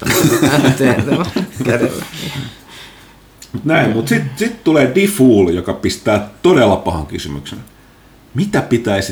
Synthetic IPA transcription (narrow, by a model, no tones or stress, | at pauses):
mut̪næimmut̪sit̪sit̪t̪uleːdifuːljokɑpist̪æːt̪odelːɑpɑhɑ̰ŋkysymy̰ksḛn | mit̪æpit̪æis